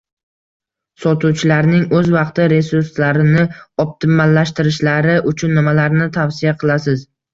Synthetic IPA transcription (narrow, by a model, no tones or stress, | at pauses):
sɒt̪ʰuwt͡ʃʰɪlaɾnɪŋɵzvɑqt̪ɪɾe̞suɾslaɾɪnɪɒp̚t̪ʰɪmalːaʃt̪ɪɾɪʃlaɾɪʔʊt͡ʃʰʊnːɪmalaɾnɪt̪ʰawsɪjaqʰɨlˠasɪz